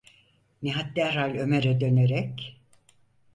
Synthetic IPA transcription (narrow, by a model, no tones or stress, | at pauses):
niɦat̪̚d̪æɾalʲø̞meɾɛd̪ø̞neɾɛc